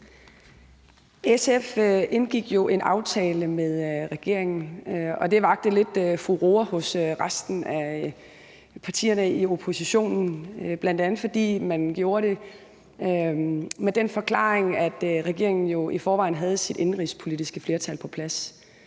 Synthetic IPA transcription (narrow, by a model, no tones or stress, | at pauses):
esefʔenɡ̥iɡ̥jo̝ʔe̝nʔɑ̈ʊt͡sʰɛːləmeðˠʁɛɡ̥e̝ɐ̰eŋn̩ɒ̽d̥e̝ʋɑ̈ɡ̥̚d̥əle̝d̥øfʁuʁo̝ɐhɔ̽søʁasd̥n̩æ | pʰɑ̈t͡sʰḭːɐnəio̝pʰo̝siɕo̝̰ːnn̩b̥lænd̥ænð̩ˠfɒd̥ḭːmænɡ̥jo̝ːɐɾ̥e̝ | med̥enfɒ̽kʰlɑ̰̈ːeŋæd̥ʁɛɡ̥e̝ɐ̰e̝ŋn̩jo̝ifɒːʋɑ̈ɪ̰nɦæð̞ˠsid̥e̝nʁḭspʰo̝lid̥isɡ̥əfle̝ɐt͡sʰæl̰pʰɒ̽pʰlæs